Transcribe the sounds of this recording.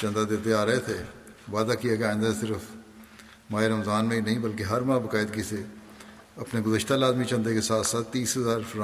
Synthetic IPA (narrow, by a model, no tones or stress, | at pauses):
t͡ʃə̃nd̪ad̪eːt̪eaːɾɐɦet̪ʰeː | ʋaːd̪akijaːkeaːɪ̃nd̪asɪɾəf | maːeɾəmzaːnmẽinɐɦĩːbəlkeɦɐɾmãːbəkaːɪd̪̚kise | ɐpneɡʊzəʃt̪alaːzmit͡ʃə̃nd̪ekesaːt̪saːt̪ːiːsɦəzaːɾfɾã